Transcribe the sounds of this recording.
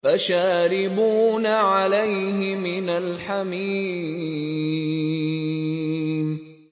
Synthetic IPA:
faʃaːɾɪbuːnaʕalajɦɪmɪnalħamiː | m

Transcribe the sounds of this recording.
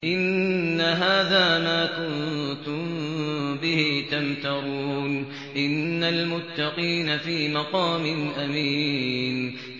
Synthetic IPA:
ʔɪnːaɦaːðaːmaːkʊnt̪ʊmbɪhit̪amt̪ɑɣuːn | ʔɪnːalmʊt̪ːɑqiːnafiːmɑqɑːmɪnʔamiːn

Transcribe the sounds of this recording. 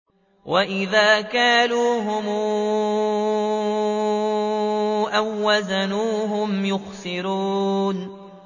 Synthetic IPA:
wʔaʔɪðaːkaːnuːɦʊmː | ʔawːazanuːɦʊmjʊxsɪɾuːn

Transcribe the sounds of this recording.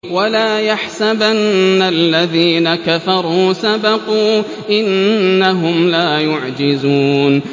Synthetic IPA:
walaːjaħsabanːalːaðiːnakafɑɾˤuːsabɑquː | ʔɪnːaɦʊmlaːjʊʕd͡ʒɪzuːn

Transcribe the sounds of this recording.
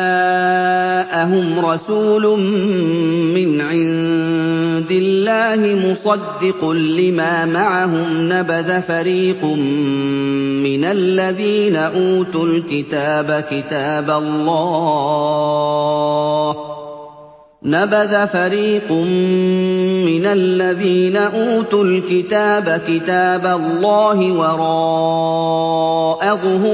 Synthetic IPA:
a | ʔaɦʊmɾˤɑsuːlʊmː | ɪnʕɪn | d̪ɪlːaːhɪmʊsˤɑd̪ːɪqʊnlɪmaːmaʕaɦʊmnabaðafaɾiːqʊm | ɪnalːaðiːnaʔuːt̪ʊlkɪt̪aːbakɪt̪aːbalːɑː | nabaðafaɾiːqʊmː | ɪnalːaðiːnaʔuːt̪ʊlkɪt̪aːbakɪt̪aːbalːɑːɦɪwɑɾˤɑː | ʔaɣʊhʊ

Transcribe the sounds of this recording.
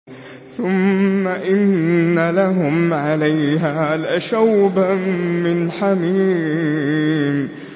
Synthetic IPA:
θʊmːaʔɪnːalaɦʊmʕalajɦaːlaʃawbamɪnħamiː | m

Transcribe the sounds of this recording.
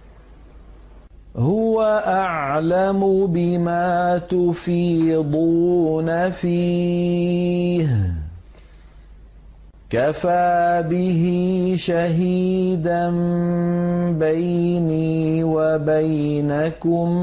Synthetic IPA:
hʊwaʔaʕlamʊbɪmaːt̪ʊfiːd̪ˤuːnafiː | h | kafaːbɪɦɪʃaɦiːd̪an | bajniːwabaj | nakʊm

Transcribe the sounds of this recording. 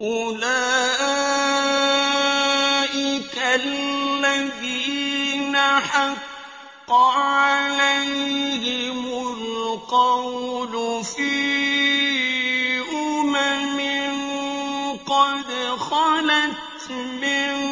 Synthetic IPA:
ʔʊlaː | ʔɪkalːaðiːnaħɑqː | ɑʕalajhɪmʊlqɑwwlʊfi | ʔʊmamɪn | qɑd̪xɑlat̪mɪn

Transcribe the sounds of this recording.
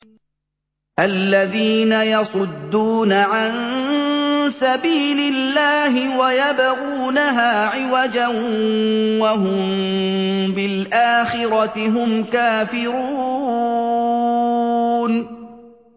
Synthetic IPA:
ʔalːaðiːnajɑsˤʊd̪ːuːnaʕan | sabiːlɪlːaːɦɪwajabaɣuːnaɦaːʕɪwad͡ʒan | wahʊmm | bɪlʔaːxɪɾˤɑt̪ɪɦʊmkaːfɪɾuː | n

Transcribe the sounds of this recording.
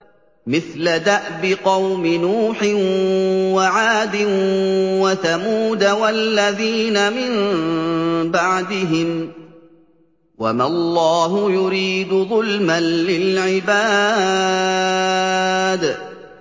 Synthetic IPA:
mɪθlad̪aʔbɪqɑwmɪnuːħɪnwaʕaːd̪ɪ | waθamuːd̪awalːaðiːnamɪm | baʕd̪ɪɦɪm | wamalˤːɑːɦʊjʊɾiːd̪ʊðˤʊlmanlɪlʕɪbaː | d̪

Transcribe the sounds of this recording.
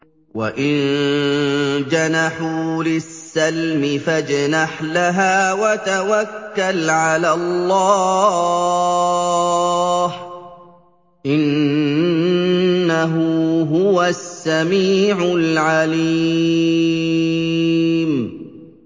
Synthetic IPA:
wa̰ʔɪn | d͡ʒanaħuːlɪsːalmɪfad͡ʒnaħlaɦaːwat̪awakːalʕalaːlːɑː | h | ʔɪn | aɦuːɦʊwasːamiːʕʊlʕaliː | m

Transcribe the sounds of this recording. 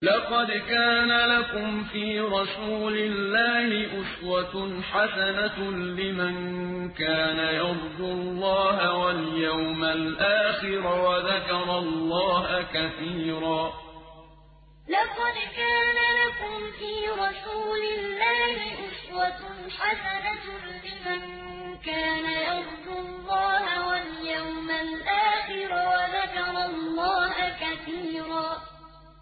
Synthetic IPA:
lɑqɑd̪kaːnalakʊmfiːɾˤɑsuːlɪlːaːhɪʔʊswaħasanalɪman | kaːnajɑd̪ˤd̪ʊlˤːɑːhawaljawmalʔaːxɪɾwaðakɑɾˤɑlːɑːhakaθiːɾaː | lɑqɑd̪kaːnalakʊmfiːɾˤɑsuːlɪlːaːhɪʔʊswatħasanat | bɪman | kaːnajɑɾˤd̪ʊlːɑːhawaljawmalʔaːxɪɾawaðakɑɾˤɑlˤːɑːhakaθiːɾaː

